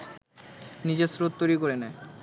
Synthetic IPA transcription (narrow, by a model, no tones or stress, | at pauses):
nid͡ʑesɾot̪̚t̪ojɾikoɾena